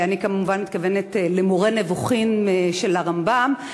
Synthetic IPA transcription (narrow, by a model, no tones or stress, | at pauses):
anikamuvanmit̪̚kavenetlemoʁenevoχimeʃe̞laʁambam